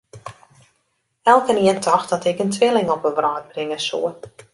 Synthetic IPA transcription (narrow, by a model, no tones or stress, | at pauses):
ɛlˠkəniəntʰɔxtɔtɪkəntʰʋɪlˠɪŋɔpənʋrɔːt̚brɪŋəsṵə